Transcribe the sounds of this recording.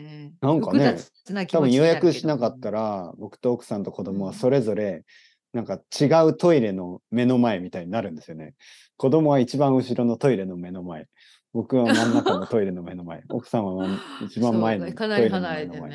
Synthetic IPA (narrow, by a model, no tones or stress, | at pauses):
nãŋkane̞ | t̪abɯ̟̃ɰ̃jo̞jakɯ̟ɕinakat̪ːaɾabo̞kɯ̟̥t̪o̞ːkɯ̟̥sãnt̪oko̞d̪o̞mo̞β̞aso̞ɾe̞zo̞ɾe̞ | nãŋkat͡ɕiɡaɯ̟t̪o̞iɾe̞no̞me̞no̞mae̞mʲit̪aiɲ̟inaɾɯ̟̃nd̪e̞sɨjo̞ne̞̰ | ko̞d̪o̞mo̞βait͡ɕibãɰ̃ɯ̟ɕiɾo̞no̞t̪o̞iɾe̞no̞me̞no̞mae̞ | bo̞kɯ̟βamãnːakanot̪o̞iɾe̞no̞me̞no̞mae̞o̞̰kɯ̟̥sãɰ̃aait͡ɕibãmːae̞not̪o̞iɾenoenomae